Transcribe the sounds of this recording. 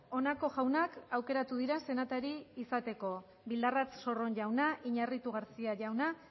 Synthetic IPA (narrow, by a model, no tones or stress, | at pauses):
o̞nako̞ʝawnakawke̞ɾat̪uðiɾase̞nat̪aɾiːsat̪e̞ko̞ | bild̪arat͡sso̞ro̞nʝawnaʔiɲarit̪uɣaɾt͡siaʝawna